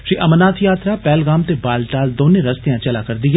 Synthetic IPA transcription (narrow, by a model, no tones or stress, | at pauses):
ʃiːʔɐmənaːt̪ʰjaːt̪ɾapɛːlɡaːmt̪ebaːlʈaːld̪oːnẽɾɐst̪ejãːt͡ʃɐlaːkɐɾd̪iɛ